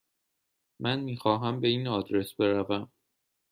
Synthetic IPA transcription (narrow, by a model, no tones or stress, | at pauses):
mænmiːxɒːɦæmbe̞iːnɒːd̪ɾe̞sbe̞ɾævæm